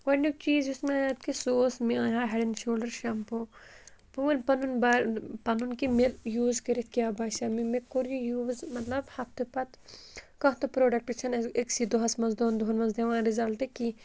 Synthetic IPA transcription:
wɐnuk̚t͡ʃiːzusmẽjat̪kisoːsmĩajaːɦɐɽinʃoːlɖɐɾʃɐmpopuɐnpɐnunbapɐnunkimejuːzkɐɾit̪̚ʰkiaːbaːʃamimekoɾjijuːzmɐt̪lɐbhɐt̪ɨpɐt̪kɐɦt̪upɾoːɖɐk̚ʈit͡ʃʰɐnɐeksid̪oɦɐsmɐnzd̪oːnd̪oɦunmɐnzd̪eʋãːɾizɐlt̪eki

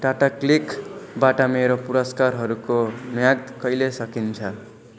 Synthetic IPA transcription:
ʈaʈaklikbaʈʌmeɾopuɾʌskarɦʌɾukomjaɡ̚d̪kʌjlesʌkint͡sʰʌ

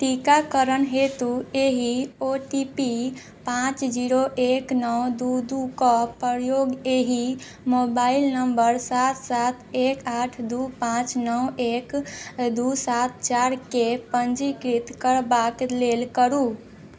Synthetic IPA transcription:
ʈikakəɾənɦet̪ueɦioʈipi | pãt͡ʃd͡ʒiɾoʔeknɔwd̪ud̪ukɔpəɾjoɡeɦi | mobailnəmbəɾsat̪sat̪ʰekaʈʰd̪upãt͡ʃnɔwekd̪usat̪̚t͡ʃaɾkepənd͡ʒikɾit̪kəɾbaklelkəɾu

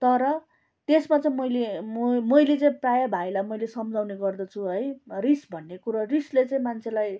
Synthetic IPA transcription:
t̪ʌɾʌ | t̪esmat͡saĩmʌjlemʌjlet͡sʌĩprajabʱajlajmʌjlesʌmd͡zawneɡʌrd̪ʌt͡sʰuɦʌjrisbʱʌnːekuɾarislet͡sʌ̃ĩmant͡sʰelaj

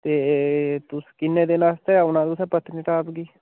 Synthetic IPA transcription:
t̪eːt̪ʊskɪnːeːd̪eːnaːst̪eːaːʊnãːd̪ʊsaːpət̪niːʈaːpɡiː

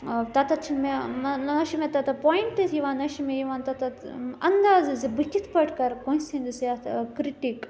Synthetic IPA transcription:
t̪ɐt̪ɐt͡ʃʰimenɐʃimet̪ɐt̪ɐpojɳʈɐt̪jiʋaːnɐʃimejiʋaːnt̪ɐt̪ɐɐnd̪aːzɨzɨbɨkʲit̪ʰpɐʈʰkɐɾkõnsʰĩnd̪ɨsjakɾiʈik

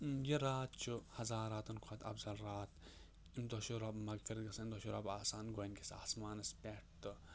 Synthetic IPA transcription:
jiɾaːt̪̚t͡ʃʰuhɐzaːɾaːt̪ɐnkʰot̪ɐ̰bzɐlɾaːt̪ | imd̪oʃuɾɐbmɐɡfiɾd̪ɡɐsɐimd̪oʃuɾɐbaːsaːnɡoinʲkisa̰ːsmaːnɐspʲeʈ̚ʰt̪ɨ

